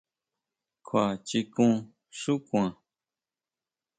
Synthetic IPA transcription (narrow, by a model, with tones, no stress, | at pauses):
kʰwa˨t͡ʃi˧kũ˦˧ | ʃu˦kw̃ã˨